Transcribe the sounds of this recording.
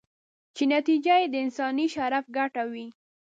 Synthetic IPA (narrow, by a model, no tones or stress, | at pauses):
t͡ʃenat̪id͡ʒajed̪əɪnsɑniʃaɾafɡaʈawi